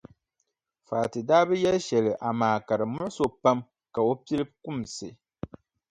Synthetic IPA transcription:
faː˨tɨ˨daː˦bɛ˦jɛ˦lʃɛ˨lɪ˨ʔa˨maː˨ka˨ɾɨ˨mʊ˦ʔʊ˦so˨pa˦m | ka˨o˦pi˦lɨ˦bkʊ˦˨msɨ˨

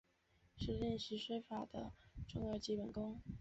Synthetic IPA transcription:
ʂɻ̩˥˧li˥˧nʂɻ̩˥˩ʂwe˥ɪfa˨˩d̪ə˦ʈ͡ʂʊ˥˧ŋɑ˥˧t͡ɕi˥˩pə˨˩nkʊ˥ŋ

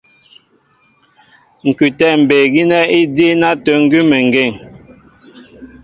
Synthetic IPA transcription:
ŋ̩˨kʉ˨tɛ˦˨m̩˨be˨ɡi˦nɛ˦i˦di˦na˦tə˨˦ŋ̩˦ɡʉ˦mɛ˨ŋ̩˨ɡe˦˨ŋ

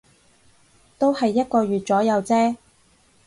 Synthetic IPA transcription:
t̪o˥whɐ˨jːɐ˥t̚kɔː˧ɥyː˨t̚t͡sɔː˨˥jɐ˨˧wt͡sɛː˥

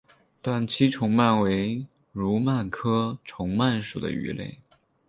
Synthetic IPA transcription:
t̪wa˥˩nt͡ɕʰi˥ʈ͡ʂʰʊ˧˥ŋma˥˩nwe˧˥ɪ | ɻu˧˥ma˥˩nkʰɤ˥ʈ͡ʂʰʊ˧˥ŋma˥˩nʂu˨˩d̪ə̰˦y̰˧˥lḛ˥˩ɪ

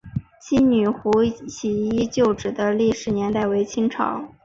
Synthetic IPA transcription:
t͡ɕʰi˥ny˨˩xu˧˥ɕi˨˩i˥t͡ɕjo˥˩ʊʈ͡ʂɻ̩˨˩d̪ə˦li˥˩ʂɻ̩˨˧˥njɛ˧˥nt̪a˥˩ɪwe˧˥ɪt͡ɕʰi˥ŋʈ͡ʂʰɑ̰˨˩˦ʊ

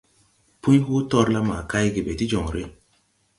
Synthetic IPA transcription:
pu˦hu˦tɔ˦ɾla˦ma˨ka˦jɡe˨be˨ti˦d͡ʒɔ˨ŋɾi˦

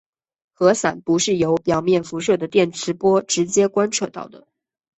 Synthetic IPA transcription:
xɤ˧˥sa˨˩npu˧˥ʂɻ̩˥˩jo˧˥ʊpjɑ˨˩ʊmjɛ˥˩nfu˧˥ʂɤ˥˩d̪ə˩t̪jɛ˥˩nʈ͡ʂʰɻ̩˧˥pwɔ˥ʈ͡ʂɻ̩˧˥t͡ɕjɛ˥kwa˥nʈ͡ʂʰɤ˥˧t̪ɑ̰˥˩ʊd̪ə˩

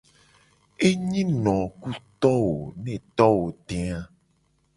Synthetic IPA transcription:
e˦ɲĩ˦nɔ̃˨ku˦t̪ɔ˦wo˨nẽ˦˨t̪ɔ˦wo˨ɖ̪e˨a˦

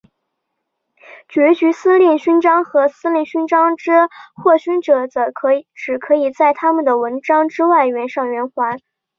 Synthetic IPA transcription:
t͡ɕɥɛ˧˥t͡ɕy˧˥sɹ̩˥ljɛ˥˩nɕy˥nʈ͡ʂɑ˥ŋxɤ˧˥sɹ̩˥lji˥˩nɕy˥nʈ͡ʂɑ˥ŋʈ͡ʂɻ̩˥xwɔ˥˩ɕy˥nʈ͡ʂɤ˨˩t͡sʈ͡ʂɻ̩˨˩kʰɤ˧˥i˨˩t͡sa˥˩ɪt̪ʰa˥mə˨nd̪ə˩wə˧˥nʈ͡ʂɑ˥ŋʈ͡ʂɻ̩˥wa˥˩ɪɥɛ˧˥nʂɑ˥˩ŋɥɛ˧˥nxwa˧˥n

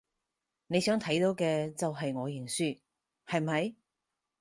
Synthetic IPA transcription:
ne˨˧jsœː˨˥ŋt̪ʰɐ˨˥jt̪o˨˧˥wkɛː˧t͡sɐ˨wɦɐ˨jŋɔː˨˧jɪ˨˩ŋsyː˥˩ | hɐ˨jm̩mɐ˨j

